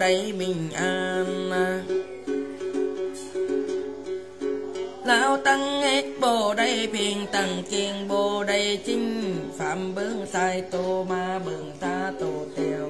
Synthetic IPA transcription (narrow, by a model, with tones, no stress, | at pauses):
a˧˩jmi˧˩ŋʔaː˧nːa˧ | laː˧˥wt̪a˧ŋhe˧˥k̚bɔː˧˩da˧˥˨jpʰeː˧ŋt̪a˧˩ŋke˧ŋbɔː˧da˧˩˨jt̪ʰi˧˥˩ŋfa˨˧˦mbɤ˧˥˨ŋsaː˧jt̪oː˧˩maː˧bɯ˧˩ŋt̪ʰaː˧˩t̪oː˧˩t̪ɛː˧˩w